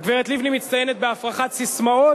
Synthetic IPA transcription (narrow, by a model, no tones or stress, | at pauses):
ɡveʁet̪livnimitt͡st̪ajenet̪̚beafʁaχatsismao